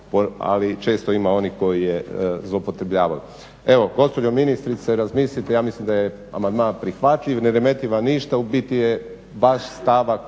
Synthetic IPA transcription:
poa̰lit͡ʃe̞ːst̪oimao̞niko̞jijezlˠopot̪ɾebʎaːʋa̰l | e̞ʋo̞ɡo̞spod͡ʑominist̪ɾit̪seɾazmiːslʲit̪ejaːmislimd̪aje | amand̪mãːnpɾixʋat̪ʎiʋneɾeme̞t̪iʋaniʃt̪aubit̪ije | ʋaʃst̪aʋa

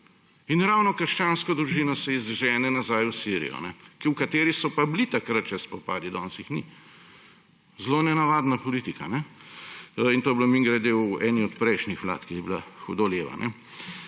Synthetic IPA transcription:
inɾawnɔkəɾʃt͡ʃaːnskɔd̪ɾuʒiːnɔsɛizʒɛːnɛnazajwsiɾḭjɔ̰nɛkiwkat̪eːɾisɔpablit̪akɾat̪̚t͡ʃɛspɔpaːd̪id̪ɔːnsixnḭ | zlonɛnaʋaːd̪napɔlit̪ikanɛ | int̪oːblomiŋɡɾad̪ɛwɛːniɔt̪pɾɛjʃnixʋla̰t̪kijɛbilaxɔd̪oleːʋa̰nʔɛ̰

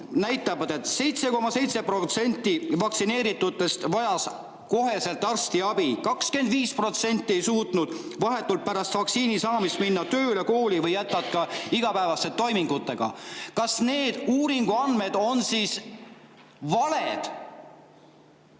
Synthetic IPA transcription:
næjt̪ːˑɑvɑd̪̥e̞t̪se̞jt̪se̞ko̞mɑse̞jt̪se̞prot̪se̞nʲt̪ːˑivɑktsine̞ːɾit̪ːˑut̪ːˑe̞st̪vɑjɑs | ko̞ɦe̞se̞lt̪ːˑɑrst̪iɑbikɑkske̞nd̪viːspro̞t̪se̞nʲt̪ʲːˑie̞jsuːt̪ˑnud̪̥vɑɦe̞t̪ːˑult̪̚pæɾɑst̪vɑksiːnisɑːmist̪̚minːɑt̪ø̞ːleko̞ːlivɤjːæt̪ːɑt̪̚kɑiɡ̥ɑpæevɑst̪et̪ːo̞jmiŋɡ̥ut̪ːˑe̞ɡ̥ɑ̰kɑsne̞ːd̪̥uːɾiŋɡ̥uɑnme̞d̪̥o̞nsis | vɑle̞d̪̥

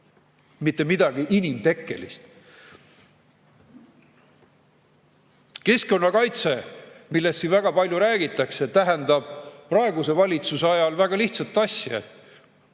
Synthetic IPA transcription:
mit̪ːemid̪̥ɑɡ̥iʔinimt̪e̞kːˑe̞̰lḭst̪ | ke̞sko̞nːɑkɑjt̪se̞milːe̞st̪sinvæɡ̥ɑpɑlʲjuɾæːɡ̥it̪ːˑɑkse̞t̪æɦend̪ɑb̥̚prɑeɡuse̞vɑlʲit̪suseɑjɑlvæɡ̥ɑliht̪sɑt̪ːˑɑsʲjɑet̪ːˑ

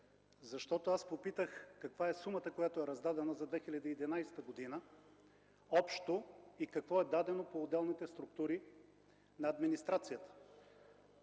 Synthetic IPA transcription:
zɐʃt̪ɔt̪oaspopit̪əxkɐkvaɛsumət̪əkojat̪oɛɾɐzd̪ad̪ɛnəzɐd̪vɛxilʲɐd̪iːd̪ɛnajst̪əɡod̪inə | ɔpʃt̪oikɐkvɔɛd̪ad̪ɛnopoːd̪ɛlˠnit̪ɛst̪ɾʊk̚t̪uɾi | nɐːd̪minist̪ɾat̪sijət̪ə̥

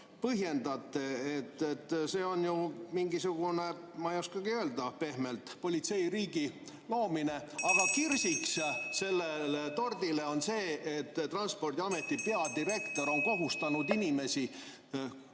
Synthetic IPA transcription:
pɤɦje̞nd̪ɑt̪ːˑe̞et̪ːet̪ːse̞ːo̞njumiŋɡisuɡ̥une̞mɑijoskɑɡ̥iø̞ːld̪̥ɑpe̞hmelt̪po̞lʲit̪se̞jriːɡ̥i | lo̞ːmine̞ɑɡ̥ɑkirsiksse̞lːelet̪o̞rd̪̥ile̞o̞nse̞ːet̪ːrɑnspo̞rd̪̥ʲiɑme̞t̪ːˑipeɑd̪iɾe̞kt̪o̞ɾo̞ŋko̞ɦust̪ɑnud̪inime̞si

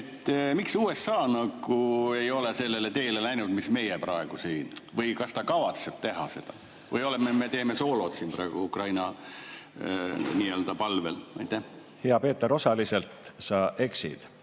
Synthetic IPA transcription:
et̪ːmiksuːe̞sːɑːnɑɡ̥ue̞jo̞lese̞lːe̞le̞t̪e̞ːlelæjnud̪misme̞jepɾɑeɡ̥usiːnvɤjkɑst̪ɑkɑvɑt̪se̞b̥t̪e̞ɦɑse̞d̪̥ɑ | vɤjo̞lememe̞t̪e̞ːme̞so̞ːlo̞d̪̥siːnpɾɑeɡ̥uukrɑjnɑ | niːøld̪ɑpɑlve̞̰lɑ̰jt̪ˑːæh | heɑpe̞ːt̪ːˑeɾo̞sɑlise̞lt̪sɑʔe̞ksḭd̪̥

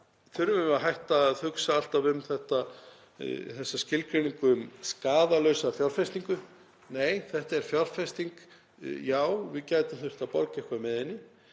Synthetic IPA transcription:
θʏɾvʏmaɦajht̪aθʏksaal̥t̪avʏmθɛht̪a | θɛsːascɪlkʰɾɪniŋkʏʏmskaːðalœɥsafjɔr̥fɛst̪iŋkʏ | neːjθɛht̪aɛɾ̥fjɔr̥fɛst̪iŋk | jaːwvɪcaːjt̪amθʏht̪apɔɾcɛhkvamɪðɪnːɪ

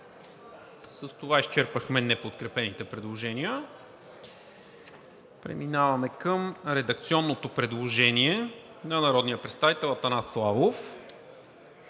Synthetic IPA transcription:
səst̪ovaist͡ʃɛɾpəxmɛnɛpot̪kɾɛpɛnit̪ɛpɾɛd̪lˠoʒɛniə | pɾɛ̰minavɐmɛkɤmɾɛd̪ɐk̚t̪siɔnːot̪opɾɛd̪lˠoʒɛniɛ | nɐnɐɾɔd̪nijəpɾɛt̪st̪avit̪ɛlˠɐt̪ɐnaslˠavof

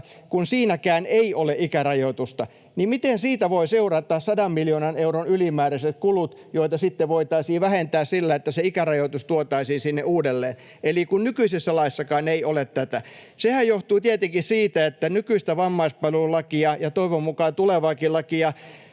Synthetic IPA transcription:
kunsiːnækæːneiʔoleʔikærɑjot̪ust̪ɑ | nimit̪ensiːt̪æʋoiseurɑt̪ˑːɑːssɑdɑmmiljoːnɑneuronylimæːɾæset̪kulut̪joit̪ɑsit̪ːeʋʋoit̪ɑisiːʋæhent̪æːssilːæet̪ːæseikærɑjot̪ust̪uot̪ɑisiːnsinːeuːdelːeːn | elikunnykyisisːælɑisːɑkɑːneiʔolet̪t̪æt̪æ | sehæjjoht̪uːt̪iet̪eŋkissiːt̪æet̪ːænykyist̪æʋɑmːɑispɑlulɑkiɑjɑt̪oiʋommukɑːt̪uleʋɑːkilːɑkijɑ

